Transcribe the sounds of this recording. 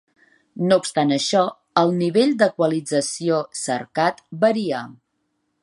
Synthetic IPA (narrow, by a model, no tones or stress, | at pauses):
noupst̪anəʃɔ | əlˠniβeʎd̪əkwəlid͡zəsiosə̰ɾkat̪bəɾia